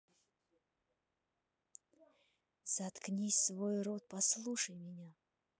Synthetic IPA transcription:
z̥ɐt̪knʲisʲsvojɾot̪̚pɐslˠuʂəjmʲɪnʲa

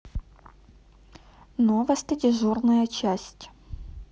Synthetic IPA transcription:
novəsʲt̪ʲədʲɪʐornɐjət͡ɕæsʲtʲ

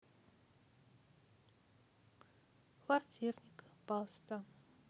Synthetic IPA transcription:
kvartʲʰirnʲikpalst̪a

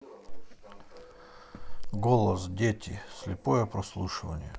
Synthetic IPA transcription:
ɡolˠəsdʲetʲɪsʲlʲɪpojəpɾɐslˠuʂɨvə̰nʲɪ̰jə̰

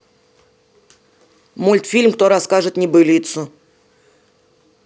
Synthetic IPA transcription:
mulʲt̪fʲilʲmkt̪o̞ɾɐskaʐɨt̪nʲɪbɨlʲit̪sʊ

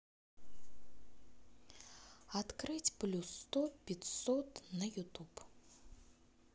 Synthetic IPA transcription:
at̪krɨtʲplʲusːt̪opʲɪt̪sot̪najut̪up

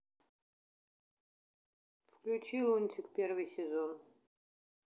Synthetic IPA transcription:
fklʲut͡ʃʰilˠunʲt̪ʲʰɪkpʲervɨjsʲɛzon

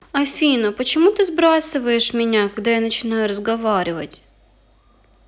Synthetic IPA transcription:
ɐfʲinɐpət͡ɕɪmut̪ɨzbɾasɨvəjɪʂmʲɪnʲakɐɡd̪ajanət͡ɕɪnajʊɾəzɡɐvaɾʲɪvə̰tʲ

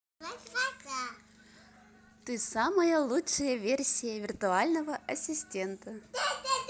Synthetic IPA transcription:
t̪ɨsaməjəlˠutʂɨjəvʲersʲɪjəvʲɪrt̪ʊalʲnəvəʔɐsʲɪsʲtʲent̪ə

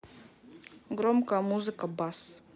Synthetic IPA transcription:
ɡɾomkəmuzɨkəbas

